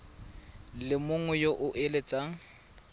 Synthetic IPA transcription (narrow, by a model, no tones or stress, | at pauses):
lɪmʊŋɛjoʔʊʔɪlet͡sʼaːŋ̩